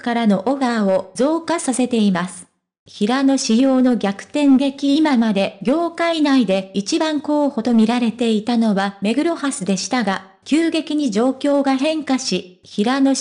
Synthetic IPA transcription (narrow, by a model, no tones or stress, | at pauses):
kaɾano̞ʔoɡao̞zo̞ːkasase̞t̪e̞imasɨ̥ | çiɾano̞ɕijo̞ːno̞ɡʲakɯ̟̥t̪ẽ̞ŋɡe̞kʲimamad̪e̞ɡʲo̞ːkainaid̪e̞it͡ɕibãŋko̞ːho̞t̪o̞mʲiɾaɾe̞t̪e̞it̪ano̞βame̞ɡɯ̟ɾo̞hasɨd̪e̞ɕi̥t̪aɡa | kʲɨːɡe̞kʲiɲ̟id͡ʑo̞ːkʲo̞ːɡaɦẽ̞ŋkaɕi | çiɾano̞